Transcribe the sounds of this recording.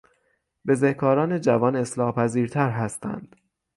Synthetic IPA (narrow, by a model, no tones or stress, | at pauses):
be̞zehkʰɒːɾɒːne̞d͡ʒævɒːne̞slɒːhpʰæziːɾt̪ʰæɾɦæst̪æ̰nd̪̥